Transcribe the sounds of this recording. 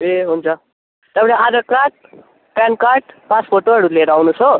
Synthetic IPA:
eɦunt͡sʰʌ | t̪ʌpʌ̃nead͡zʌkaʈ̚ | pjankaɾʈ̚pãt͡spʰoʈoɦʌɾuleɾawnut͡sʰʌ

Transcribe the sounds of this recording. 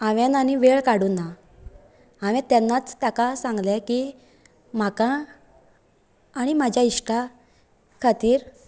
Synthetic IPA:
aʋenañiʋeɭkaɽuːnːa | aʋɛ̃t̪ɛnːat͡st̪akasãŋɡlɛki | m̤aka | ɽ̃imad͡ʑʱjaiɕʈa | kʰat̪iːɾ

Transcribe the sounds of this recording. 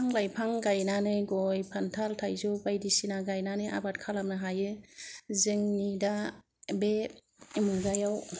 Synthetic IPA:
aŋlajpʰaŋɡajnanɯjɡɔjpʰantʰaltʰajzubajdisinaɡajnanɯjʔa̰bat̚kʰalamnaɦajɯzɯŋnida | be | mɯɡajaw

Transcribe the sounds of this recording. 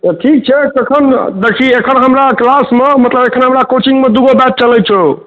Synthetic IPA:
t̪əʈʰik̚t͡ʃʰɛkekʰənd̪ekʰiekʰənɦəmɾaklasmemət̪ləbekʰənɦəmɾakot͡ʃiŋɡmed̪uɡobɛt̪̚t͡ʃəlɛt͡ʃʰo

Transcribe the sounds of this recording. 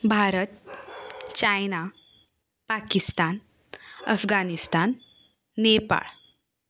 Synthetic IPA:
bʱaɾət̪̚ | t͡ɕajna | pakist̪an | ə̰fɡanist̪anː | epa̰ɭ

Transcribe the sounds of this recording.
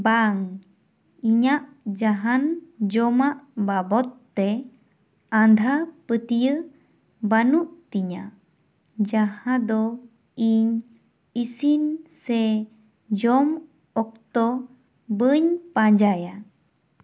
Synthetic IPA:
baŋ | iɲaʔd͡ʒaɦand͡ʒɔmaʔbabɔt̪ːɛ | and̪ʱapət̪ijɯ | banuʔt̪iɲa | d͡ʒahãd̪ɔ | iɲ | isinsɛ | d͡ʒɔm | ɔk̚t̪ɔ | bəɲpaɲd͡ʒaja

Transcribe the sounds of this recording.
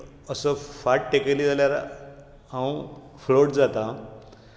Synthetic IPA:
əsəfaʈ̚ʈekaliːd͡zaljaɾ | ãw | floʈd͡zat̪a

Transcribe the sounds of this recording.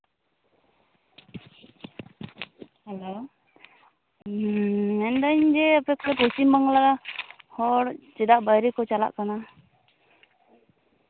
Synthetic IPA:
alo | ɛnd̪aɲd͡ʒɛapɛkɔɾɛpɔt͡ʃimaŋlaɡahɔɽt͡ʃɛd̪aʔbajɾikɔt͡ʃala̰ʔkana

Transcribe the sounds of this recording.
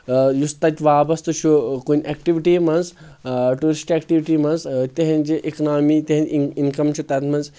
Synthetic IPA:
just̪ɐt̪ʲʋaːbɐst̪ɨt͡ʃʰukunʲekʈiʋiʈiːmɐnzʈuːɾisʈekʈiʋiʈiːmɐnzt̪eɦĩnd͡ʒiʔiknaːmiːt̪eɦinkɐmt͡ʃʰut̪ɐt̪mɐnz

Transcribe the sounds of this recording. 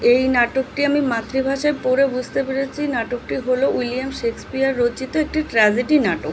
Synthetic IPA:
ejnaʈokʈiamimat̪ːɾibʱaʃaepoɾebud͡ʑʱt̪epeɽet͡ɕʰinaʈok̚ʈiɦoloiliamʃekspiaɾːot͡ɕit̪oek̚ʈiʈɾad͡ʑeʈinaʈok

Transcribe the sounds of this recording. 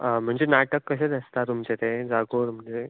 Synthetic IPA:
əm̤əɳd͡zenaʈəkːəɕ̬əd̪əst̪at̪umt͡ɕet̪ed͡zaɡoːɾm̤əɳd͡ze

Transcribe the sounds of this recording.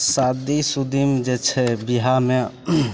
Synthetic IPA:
sad̪isud̪imd͡ʒɛt͡ʃʰɛbiɦame

